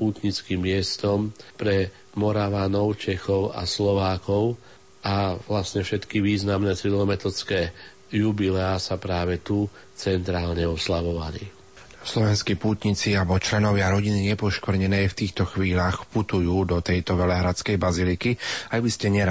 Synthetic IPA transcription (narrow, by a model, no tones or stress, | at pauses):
puːt̪ɲit͡skimːɪɛst̪ɔmpɾɛ | mɔɾaʋanɔʊt͡ʃɛxɔʊa̰slɔʋaːkɔʊ | aʋlasɲɛfʃɛt̪kiʋiːznamnɛt͡silɔmɛt̪ɔt͡skɛː | jubilɛasapɾaːʋɛt̪u | t͡sɛnt̪ɾaːlɲɛɔslaʋɔʋa̰li | slɔʋɛnskipuːt̪ɲit͡siabɔt͡ʃlɛnɔʋɪaɾɔɟiniɲɛpɔʃkʋɾ̩ɲɛnɛːft̪iːxt̪ɔxʋiːlaːxput̪ujuːd̪ɔt̪ɛjt̪ɔʋɛlɛɦɾat͡skɛjbazilikiajbiscɛɲɛɾ